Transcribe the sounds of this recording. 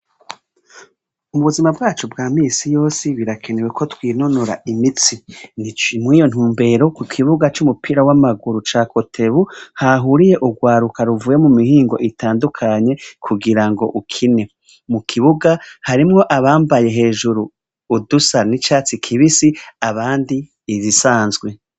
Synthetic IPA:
umuβuzimabɡaːt͡ʃubɡaːmiːsijo̞ːsiβiɾakʰe̞ne̞we̞kʰo̞twiːnonoɾa̰imit͡sinit͡ʃimŋiːjo̞n̥huːmbe̞ːɾo̞kukʰiβuɡat͡ʃumupʰiɾawamaɡuɾut͡ʃaːko̞tʰe̞βuhaɦuɾije̞ʔuɡwaːɾukaɾuvuːje̞mumihiːŋɡo̞̰ʔitaːndukʰaɲe̞kʰuɡiɾaŋɡo̞̰ʔukʰine̞ | mukʰiβuɡahaɾimŋo̞ʔaβaːmbaje̞ɦe̞ːʒuɾuː | dusanit͡ʃaːt͡sikʰiβisiaβaːndiː | zisaːnzɡwe̞

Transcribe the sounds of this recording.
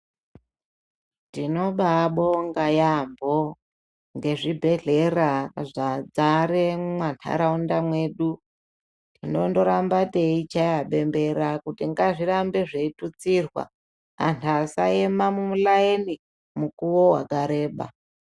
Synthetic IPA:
dino̞ɓaɓo̞ŋɡajambo | ŋɡe̞ʐibʱe̞ɮe̞raʐad͡zaɾemwanʰa̰ɾaundamwe̞ːɗu | tindondoɾambateit͡ʃajaɓe̞mbe̞ɾakutiŋɡaʐiɾambe̞ʐeitut͡sirwa̰ | a̰ntʰasaemamumulajeni | mukuwowakaɾe̞ːɓa̰

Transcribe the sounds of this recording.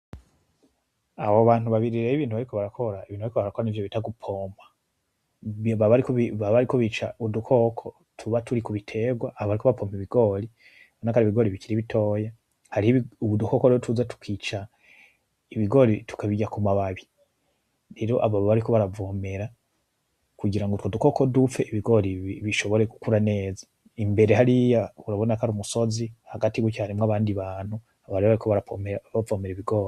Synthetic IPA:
aβoβaːn̥huβaβiɾiɾeiβiːnuβaɾikoβaɾakʰo̞ɾaiβiːnuβaɾikoβaɾakoɾanivjoβitaɡupʰo̞ːmḁ | βaβaikiβaβaɾikoβit͡ʃaudukʰo̞ːkʰo | tʰuβatuɾikuβitʰe̞ɡwaːhoβaɾiko̞βapʰo̞miβiɡo̞ːɾi | βonakaɾiβiɡo̞ːɾiβiciɾiβitʰo̞ːja | haɾiuβuduko̞koɾeɾotuzatu̥kʰiːt͡ʃa | iβiɡo̞ɾitu̥kaβiɟakumaβaβi | ɾe̞ɾo̞ʔaβaβoβaɾiko̞βaɾavo̞ːme̞ɾa | kuɟiɾaŋɡotwoduko̞ko̞dufe̞iβiɡo̞ɾiβiʃo̞βo̞ɾe̞ku̥kuɾane̞ːzḁ | imbe̞ɾe̞haɾijauɾaβonakaɾumuso̞zihaɡatiɡwucihaɾimŋaβaːndiβaːn̥hu | aβaɾiβaɾikʰoβaamβavo̞ːmeɾiβiɡo̞ːɾi

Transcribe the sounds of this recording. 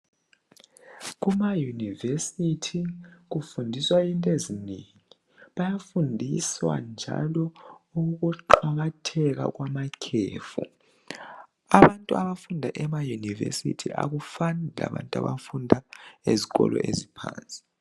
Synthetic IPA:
ɣumajunivesitʰiɣufundʱiswaintʼezineŋi | βajafundʱiswa̰nd͡ʒʱa̰lɔuɣuǃaɣatʰɛɣa̰ɣwamakʰeːfṵ | aβantʼuaβafundʱaʔɛmajunivḛsḭtʰiʔa̰ɣufanilaβa̰ntʼa̰βafundʱaeziɣɔ̰lɔ̰ʔezipʰa̰ːnt͡sʼi̥

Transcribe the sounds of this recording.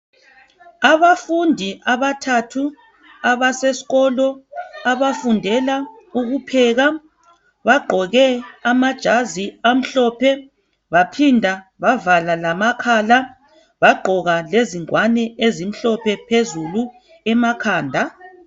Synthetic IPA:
aβafundʱiʔaβatʰatʰu | aβasesi̥ɣɔlɔaβafundʱɛla | uɣupʰɛːɣa | βaɡ͡ǃʱɔɣɛamad̥ʒ̥ʱaziam̩ɬɔpʰɛ | βapʰindʱa | βavalalamakʰaːla | βaɡ͡ǃʱɔɣaleziŋwanɛezim̩ɬɔpʰɛpʰezulu | ɛmakʰaːndʱa

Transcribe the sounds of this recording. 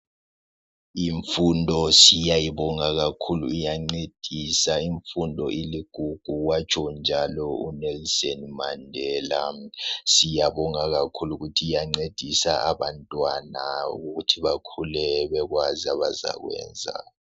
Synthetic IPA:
iɱfundʱɔsijajiɓɔŋak̬akʰulṵijaŋ͡ǀed̥ʱisaiɱfundʱɔʔiliɡ̥ʱuɡ̥ʱuwat͡ʃʰɔnd͡ʒʱalɔunelisenimandʱɛːlasijaɓɔŋak̬akʰuluk̬utʰiːjaŋ͡ǀed̥ʱisaaɓantʼwanauukutʰiβakʰulɛɓɛk̬wazaɓa̰za̰k̬wɛ̰ːnd͡zʱa̰

